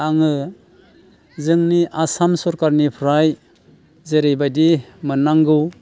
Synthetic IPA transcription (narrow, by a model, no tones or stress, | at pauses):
aŋɯ | zɯŋniʔasamsɔɾkaɾnipʰɾaj | zeɾejbadimɯnaŋɡɯw